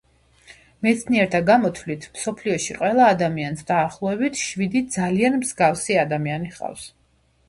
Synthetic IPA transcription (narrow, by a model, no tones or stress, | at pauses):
mɛt̪sʰniɛɾt̪ʰaɡamɔt̪ʰvlit̪ʰmsɔpʰliɔʃiqʼwɛlˠaːd̪amiansd̪aːχlˠɔɛbit̪ʰʃvid̪id̪zalianmzɡavsiad̪amianiχʼa̰fs